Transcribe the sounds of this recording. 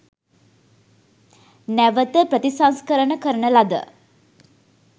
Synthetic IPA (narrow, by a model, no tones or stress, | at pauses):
næʋət̪əpɾət̪isanskəɾənəkəɾənəlad̪ə̰